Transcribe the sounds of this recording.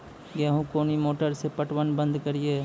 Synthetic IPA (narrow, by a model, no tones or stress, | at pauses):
ɡaːɦũkoːnimoːʈəɾsepəʈwənbə̃nd̪kəɾieː